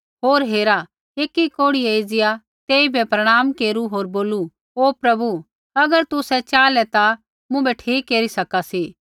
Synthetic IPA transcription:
ɦoːɾɦeːɾa | eːkikoːɽieid͡ʒɪja | t̪eːibʱɛpɾɐɽ̃aːmkeːɾuɦoːɾboːlu | oːpɾɐbu | ɐɡəɾt̪ʊsɛt͡ʃaːlɛt̪a | mũbɛʈʰiːkːeːɾisɐkasiː

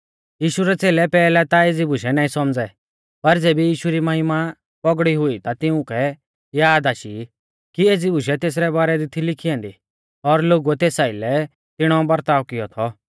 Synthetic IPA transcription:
jiːʃuɾɛt͡seːlɛpɛːlɛt̪aeːd͡zibʊʃɛnaːĩsɔmd͡zɛ | pɐɾd͡zeːbijiːʃuɾimɐɦɪma | pɔɡɽiɦʊit̪at̪ɪũkʰɛ | jaːd̪aːʃi | kieːd͡zibʊʃɛt̪eːs̬ɾɛbaːɾɛd̪ɪt̪ʰilɪkʰiãːnd̪i | ɔɾloːɡuɛt̪eːsaːɪlɛ | t̪ɪɽ̃ɔbɐɾt̪aːʋkɪjɔt̪ʰɔ

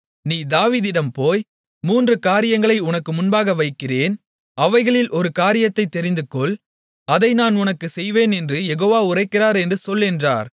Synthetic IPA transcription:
niːd̪aːʋiːðɪɽɐmpoːj | muːndrɯkaːɾɪjɐŋɡɐɭɐɪʊnɐkːɯmʊnbaːɣɐʋɐɪkːɪreːn | ɐʋɐɪɣɐɭɪlʔɔɾɯkaːɾɪjɐt̪ːɐɪt̪ːɛɾɪnd̪ɯkːɔɭ | ɐðɐɪnaːnʊnɐkːɯsɛjʋeːnɛndrɯjɛɣoːʋaːʊrɐɪkːɪraːɾɛndrɯsɔlːɪndra̰ːɾ

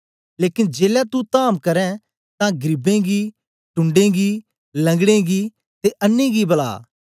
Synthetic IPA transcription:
leːkɪnd͡ʒeːljat̪ut̪aːmkɐɾɛ̃ | t̪ãɡɾɪbẽɡi | ʈʊ̃ɳɖẽɡi | lɐ̃ŋɡɽ̃ẽɡi | t̪eʔɐnːẽɡibɐla̰ː

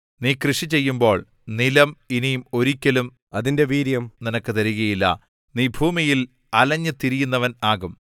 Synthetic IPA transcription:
niːkrɨʂit͡ɕe̞jːumbo̞ːɭ | nilɐminijmo̞ɾikʲːɐlum | ɐðinde̞ʋiːɾjɐmninɐkːɨt̪ɐɾiɣɐjilːɐ̰ | niːbʱuːmijil | ɐlɐɲːɨt̪iɾijunːɐʋɐnaːɣum

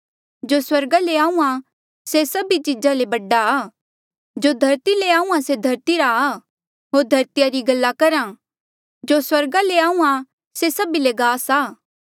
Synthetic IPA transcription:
d͡ʒoswɐɾɡaleaːũã | sesɐbit͡ʃid͡ʒalebɐɖːaː | d͡ʒod̪ʱɐɾt̪ileaːũːãsed̪ʱɐɾt̪iɾaː | ɦoːɾd̪ʱɐɾt̪ɪjaɾiɡɐlːakɐɾã | d͡ʒoswɐɾɡaleaːũã | sesɐbileɡaːsaː

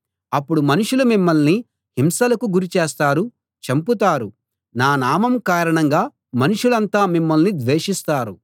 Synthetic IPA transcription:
ɐpːuɽumɐnuʂulumimːɐlni | himsɐlɐkuɡuɾit͡ʃeːst̪aːɾu | t͡ʃɐmput̪̬aːɾu | naːnaːmɐmkaːɾɐɳɐŋɡaː | mɐnuʂulɐnt̪aːmimːɐlnid̪ʋeːʂist̪aːɾṵ

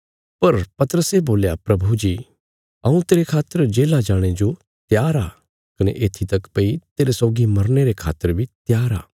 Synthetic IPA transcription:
pɐɾpɐt̪əɾəseboːljapɾɐbʱud͡ʒiː | ɐũt̪eːɾekʰaːt̪ːəɾd͡ʒeːlad͡ʒaːɽ̃ed͡ʒo | t̪jaːɾa | kɐnḛʔeːt̪ʰit̪ɐkpɐit̪eːɾesɔːɡimɐɾneɾekʰa̰ːt̪ːəɾbʱit̪jaːɾa̰ː

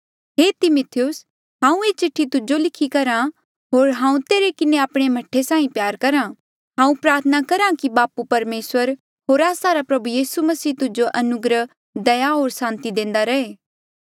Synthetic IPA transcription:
ɦeːt̪ɪmʊt̪ʰɪjʊs | ɦãːũeːt͡ʃɪʈʰːit̪ʊd͡ʒolɪkʰikɐɾã | ɦoːɾɦãːũt̪eːɾekɪneaːpɽ̃emɐʈʰːesãːĩpjaːɾkɐɾã | ɦãːũpɾaːɾt̪ʰənakɐɾãkibaːpupɐɾmeːswəɾ | ɦoːɾaːsaɾapɾɐbujiːsumɐsiːt̪ʊd͡ʒoʔɐnʊɡɾə | d̪ɐjaɦoːɾsãːnt̪id̪ẽːnd̪aɾɐeː

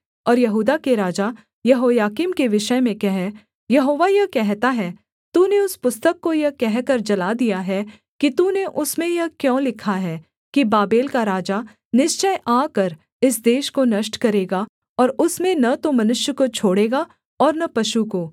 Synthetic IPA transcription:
ɔːɾjɐɦuːd̪akeɾaːd͡ʒa | jɐɦoːjaːkimkeʋɪʃəmẽkɛɦɛ | jɐɦoːʋajɐkɛɦt̪aɦɛː | t̪uːneʊspʊst̪əkːojɐɦkɛɦkɐɾd͡ʒɐlad̪ijaɦɛ | kit̪uneʔʊsmẽjɐɦkjõːlɪkʰaɦɛː | kibaːbeːlkaɾaːd͡ʒa | nɪʃt͡ʃəjʔaːkɐɾ | ɪsd̪eːʃkonɐʃʈkɐɾeːɡa | ɔːɾʊsmẽnɐt̪omɐnʊʃjəkot͡ʃʰoːɽeːɡa | ɔːɾnɐpɐʃukoː

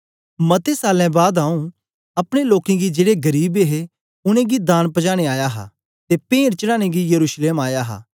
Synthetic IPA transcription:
mɐt̪esaːlɛ̃baːd̪aːũ | ɐpɽ̃eloːkẽɡid͡ʒeːɽeɡɐɾiːbeɦe | ʊnẽɡid̪ãːnpɐd͡ʒaːɽ̃eaːjaɦa̰ | t̪epẽːɽt͡ʃɐɽaːɽ̃ẽɡijɐɾuːʃleːmaːjaɦa̰ː

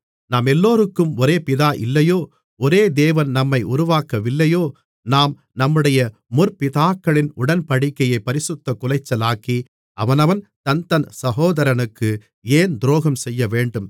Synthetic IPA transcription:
naːmɛlːoːɾɯkːɯmɔɾeːpɪðaːʔɪ̰lːɐjoː | ɔɾeːd̪eːʋɐnnɐmːɐɪʔʊɾʊʋaːkɐʋɪlːɐjoː | naːm | nɐmːɯɽɐjɐ | mʊɾpɪðaːkːɐɭɪnʊɽɐnpɐɽɪkːɐjɐɪpːɐɾɪsɯt̪ːɐkʊlɐɪt͡ʃːɐlaːki | ʔɐʋɐnɐʋɐnt̪ɐnt̪ɐnsɐɦoːðɐɾɐnɯkːɯ | eːnd̪ɾoːɣɐmsɛjːɐʋeːɳɖɯm

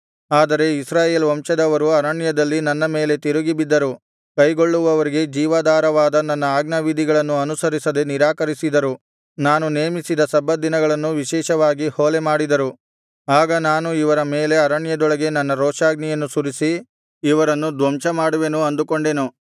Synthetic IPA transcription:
aːd̪ɐɾe̞isɾaːjeːlʋɐmʃɐd̪ɐʋɐɾuɐɾɐɳjɐd̪ɐlːinɐnːɐme̞ːle̞t̪iɾuɡibid̪ːɐɾu | kɐjɡo̞ɭːuʋɐʋɐɾiɡe̞d͡ʒiːʋaːd̪aːɾɐʋaːd̪ɐnɐnːɐaːɡnɐʋid̪ʱiɡɐɭɐnːuɐnusɐɾisɐd̪e̞niɾaːkɐɾisid̪ɐɾu | naːnuneːmisid̪ɐsɐbɐd̪inɐɡɐɭɐnːuʋiʃɛːʃɐʋaːɡihoːlemaːɽid̪ɐɾu | aːɡɐnaːnuiʋɐɾɐme̞ːle̞ɐɾɐɳjɐd̪ɔɭɐɡe̞nɐnːɐɾɔːʂaːɡnijɐnːusuɾisiː | ʋɐɾɐnːud̪ʋɐmt͡ʃɐmaːɽuʋe̞nuɐnd̪uko̞ɳɖe̞nu

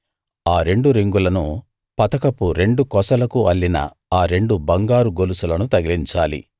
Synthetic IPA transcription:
aːɾe̞ɳɖuɾiŋɡulɐnu | pɐt̪ɐkɐpuɾe̞ɳɖukɔsɐlɐkuɐlːinɐ̰ | aːɾe̞ɳɖubɐŋɡaːɾuɡolusulɐnut̪ɐɡiliɲt͡ʃaːlḭ

